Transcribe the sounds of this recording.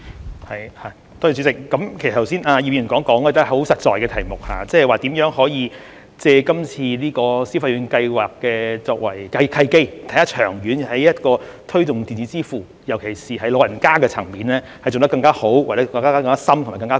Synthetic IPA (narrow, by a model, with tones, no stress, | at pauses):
hɐ˨jha˨˧ | t̪ɔː˥jy˧˩t͡ɕyː˨˥sɪ˨k̚kːɐ˨˥mkʰe˨˩˨st̪ʰsiː˥naː˧ji˨˩iː˧˩˨kɔː˨˥ŋkɔː˨˥ŋkɔ˧t̪ɐ˥hho˨˥wsɐ˨t̚t͡sɔː˨jkɛ˧t̪ʰɐ˨˩jmʊ˨k̚ha̰ː˨˧t͡sɛː˥ɛ˨jwaː˨t̪iː˨˥mjœː˨˥ŋɦɔː˨˥jiː˧ | t͡sɛː˧kɐ˥mt͡sʰiː˧liː˥kɔː˧siː˥fa˧jyː˨˥nkɐ˧jwaː˨kːɛː˧t͡sɔː˧k̚wɐ˨˩jkɐ˧jkʰɐ˧jke˥jt̪ʰjt̪a˥t͡ʃʰœː˨˩ŋjyː˨˥n˨˩hɐ˨˦jjɐ˥t̚kɔː˧t̪ʰɵ˥ɥtʊ˨ŋt̪iː˨nt͡si˨˥t͡siː˥fuː˨˩ | jɐ˨˩wkʰe˨˩jsiː˨˩ɦɐ˨˥jlo˨˧wjɐ˨˩nkaː˥kɛː˧t͡sʰɐ˨˩ŋmiː˨nlɛː˥ | hɐ˨˩jt͡so˨˩t̪ɐ˥kɐ˧ŋkaː˥ho˨˥wwa˨tɛː˨˧˥ŋkaː˥aː˥kɐ˧ŋkaː˥sɐ˥mt̪ʊ˨˩ma˨jkɐ˧ŋkaː˥